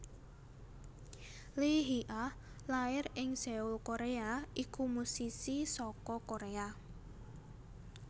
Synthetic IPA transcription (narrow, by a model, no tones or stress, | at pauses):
liɦiʔa | laɪrɪŋseulkoɾeaikumusisisɔkɔkoɾea